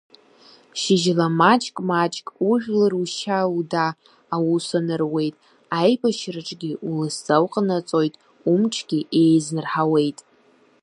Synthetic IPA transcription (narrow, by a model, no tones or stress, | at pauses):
ʃɪʒlamat͡ʃʼkʼmat͡ʃʼkʼuʒᶣlɨruʃaudaː | wusanɨrwe̞jtʼ | ajbaʃraʈ͡ʂʼɡʲɪulɨszawqʼnat͡sʼo̞jtʼ | umʈ͡ʂʰɡʲiʔejznɨrħawe̞jtʼ